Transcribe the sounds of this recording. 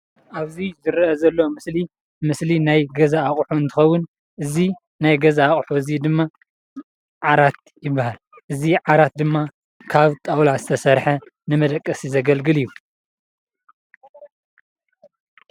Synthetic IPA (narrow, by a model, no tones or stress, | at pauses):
ʔaβzizɨɾʔɐzɐlːɐmɨsli | mɨslinajɡɐzaːχʼħuɨnt̪ʰɨxɐwːʊn | ʔɨzi | najɡɐzaːχʼħuɨzid̪ɨmːa | ʕaɾat̪̚jɪbːahal | ʔɨziʕaɾat̪̚d̪ɨmːa | kʰaβt̪ʼawlazɨt̪ʰɐsɐɾħɐnɨmɐd̪ɐkʼːɐsizɐɡɐlɡɨlijːu